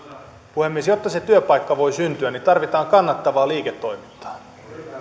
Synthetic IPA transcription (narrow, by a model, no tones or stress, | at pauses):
puhe̞mːiesjo̞t̪ːɑse̞t̪yøpɑjkːɑʋo̞jsynt̪yænit̪ɑrʋit̪ɑːŋkɑnːɑt̪ːɑʋɑːliːket̪ːo̞jmit̪ːɑ̥ː